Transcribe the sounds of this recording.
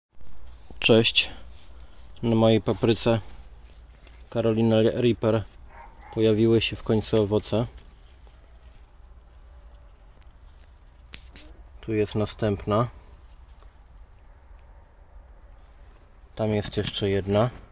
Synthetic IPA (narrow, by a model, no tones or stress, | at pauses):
t͡ʂɛɕt͡ɕ | namɔjejpapɾɘt̪sɛ | kaɾɔlʲinaɾʲipɛɾ | pɔjavʲiwɘɕɛfkɔɲʲt̪suɔvɔt̪sɛ | t̪ujɛst̪nast̪ɛmpna | t̪amjɛst̪jɛʂt͡ʂɛjɛd̪na